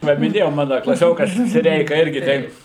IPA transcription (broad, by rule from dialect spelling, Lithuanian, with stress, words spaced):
ˈʋɐ mʲɪˈnʲeːjɛʊ ˈmɑːnɐ klˠɐˈsʲoːkɐs sʲɪˈrʲɛɪkɐ ˈɪrʲɡʲɪ ˈtʲɛɪp